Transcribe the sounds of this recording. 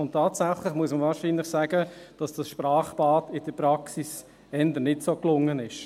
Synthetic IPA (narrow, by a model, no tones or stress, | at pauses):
ʊntʰːaːtsæχlɪχmuəsməvaːɾʃiːnlɪχsæɡəd̥ɑsd̥ɑsʃpɾaːχpɑːdɪd̥əpɾɑksis | ɛndənɪtsoːklʊŋːənɪʃ